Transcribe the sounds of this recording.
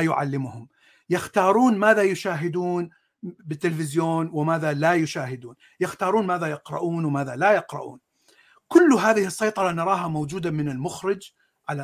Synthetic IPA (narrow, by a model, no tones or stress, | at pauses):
jʊʕa̰lːɪmʊhʊm | jɪxt̪ɑːɾˤuːnmaːðajʊʃaːɦɪd̪uːn | bɪt̪ːɪlfɪzjoːnwɪmaːðalajʊʃaːɦɪd̪uːn | jɪxt̪ɑːɾˤuːnmaːðajɪqɾɑ̰ʔuːnwmaːðalajɪqɾɑ̰ʔṵːn | kʊlːɦaːðɪhɪsˤːɑjt̪ˤɑɾˤɑnɑɾˤɑːɦamowd͡ʒuːd̪amɪnɪlmʊxɾɪd͡ʒ | ʕala